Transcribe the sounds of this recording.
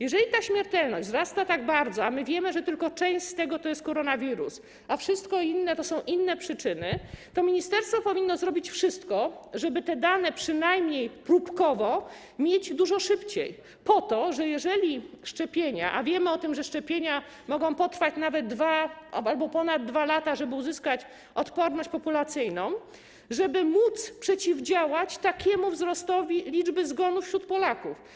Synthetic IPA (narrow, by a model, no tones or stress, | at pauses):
jɛʐɛlʲit̪aɕmʲjɛɾt̪ɛlnɔʑd͡ʑzɾast̪at̪aɡ̚baɾd̪zɔamɘvʲjɛmɘʐɛt̪ɘlkɔt͡ʂɛ̃ɕt͡ɕt̪ɛɡɔt̪ɔjɛst̪̚kɔɾɔnavʲiɾṵs | afʂɘst̪kɔinːɛt̪ɔsɔ̃w̃ʔinːɛpʂɘt͡ʂɘnɘt̪ɔmʲiɲist̪ɛɾst̪fɔpɔvʲinːɔzɾɔbʲit͡ɕfʂɘst̪kɔʐɛbɘt̪ɛd̪anɛpʂɘnajmɲejpɾupkɔvɔ | mʲjed͡ʑd̪uʐɔʂɘpt͡ɕḛj | pɔt̪ɔʐɛjɛʐɛlʲiʂt͡ʂɛpʲjeɲa̰ʔavʲjɛmɘɔt̪ɘmʐɛʂt͡ʂɛpʲjeɲa | mɔɡɔ̃w̃pɔt̪ɾfat͡ɕnavɛd̪̚ːvaalbɔpɔnad̪̚ːvalat̪aʐɛbɘuzɘskat͡ɕ | ɔt̪pɔɾnɔɕt͡ɕpɔpulat̪sɘjnɔ̃w̃ | ʐɛbɘmut̪spʂɛt͡ɕivd͡ʑawat͡ɕt̪akʲʰɛmuvzɾɔst̪ɔvʲilʲid͡ʐbɘzɡɔnufɕɾut̪pɔlakuf